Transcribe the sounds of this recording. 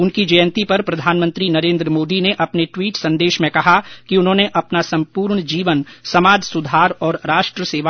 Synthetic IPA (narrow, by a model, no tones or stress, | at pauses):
ʊnkid͡ʒɐjə̃nt̪ipɐɾpɾɐd̪ʱaːnmə̃nt̪ɾinɐɾẽːnd̪ɾəmoːd̪ineʔɐpneʈwiːʈsɐ̃nd̪eːʃmẽkɐɦakiʊnɦõːneʔɐpnasɐ̃mpuːɾɳd͡ʒiːʋənsɐmaːd͡ʒsʊd̪ʱaːɾɔːɾɾaːʃʈɾəseːʋa